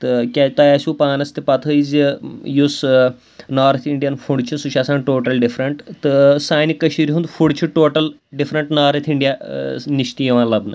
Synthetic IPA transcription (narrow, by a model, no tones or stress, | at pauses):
t̪ɨkʲat̪ajaːsʲuːpaːnɐst̪ipɐt̪ʰəizijus | naːɾɐt̪ʰiɳɖijɐnfʰuɳɖt͡ʃʰisuʃasãːnʈoːʈɐlɖifɾɐɳʈt̪ɨsaːnikɐʃiɾɦund̪fʰuɽt͡ʃʰiʈoːʈɐl | ɖifɾɐɳʈnaːɾɐt̪ʰiɳɖijaniʃt̪ijiʋãːlɐbnɨ